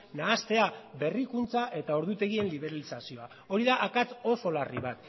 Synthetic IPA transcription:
naːst̪e̞abe̞rikunt͡saʔe̞t̪ao̞ɾðut̪e̞ɣ̞ie̞nliβe̞ɾalisasioa | o̞ɾiðaʔakat͡so̞so̞lariβat̪

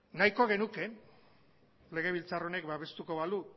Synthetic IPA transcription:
najko̞ɣ̞e̞nuke̞ | le̞ɣ̞e̞β̞ilt͡sarone̞kbaβe̞st̪uko̞βalu

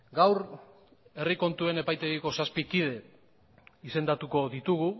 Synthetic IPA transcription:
ɡawɾ | e̞riko̞nt̪ue̞ne̞pajt̪e̞ɣiko̞saspikið̞e̞ | ise̞nd̪at̪uko̞ðit̪uɣu

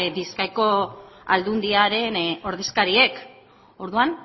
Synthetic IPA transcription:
biskajko̞ald̪und̪iaɾe̞no̞ɾðe̞skaɾie̞k | o̞ɾðuan

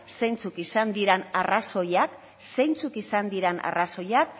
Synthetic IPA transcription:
se̞jnt͡sukisand̪iɾenaraso̞jak | se̞jnt͡sukisand̪iɾena̰raso̞jak̚

